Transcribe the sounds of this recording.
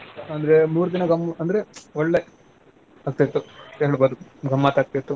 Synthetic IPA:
ɐnd̪ɐɾemuːɾud̪inɐɡɐmːɐnd̪ɾeɔɭːe | aːɡ̚t̪ajit̪ːut̪eɦɭboːd̪uɡɐmːaːt̪aːɡ̚t̪ajt̪ːu

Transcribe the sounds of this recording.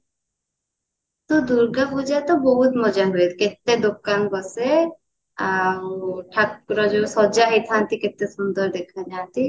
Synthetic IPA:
t̪ud̪uɾɡabud͡ʒat̪ɔbɔɦut̪mɔd͡ʒaɦuet̪ʰket̪ːed̪okanbɔse | a | ʈʰakɾɔd͡ʒosɔd͡ʒaɦit̪ʰant̪iket̪ːesund̪ɔɾd̪ekʰanat̪i

